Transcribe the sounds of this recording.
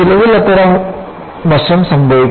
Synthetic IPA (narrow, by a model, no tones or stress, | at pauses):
ɪlɐʋɪlɐt̪ːɐɾɐm | ʋɐʂɐmsɐmbʱɐʋɪk